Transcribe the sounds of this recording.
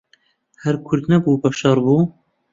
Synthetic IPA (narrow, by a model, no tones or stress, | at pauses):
hæɾkʰʊɾd̪nɐbuːbɐʃɑːɾbuː